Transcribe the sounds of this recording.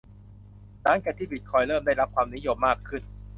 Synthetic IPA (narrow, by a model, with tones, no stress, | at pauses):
t̪aː˦˥˩ŋkɛː˧˩t̪ʰiː˥˩bi˦˥t̪̚kʰɔː˧jɾɤː˥˩mdaː˥˩jɾa˦˥p̚kʰwaː˧mni˦˥jo˧mːaː˥˩kʰːɯ˥˩n